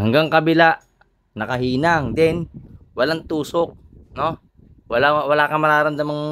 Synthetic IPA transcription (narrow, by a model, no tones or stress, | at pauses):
haŋɡaŋkɐbɪlaʔ | nɐkɐɦiːnaŋd̪ɛnwɐlaŋt̪uːsok̚ | no | wɐlawɐlaːkɐmɐɾaːɾɐnd̪amaŋ